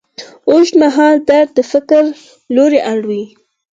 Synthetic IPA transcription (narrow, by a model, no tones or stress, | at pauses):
oʃmaɦɑld̪aɾd̪̚d̪əfɪkɾ | loɾeʔaɽwi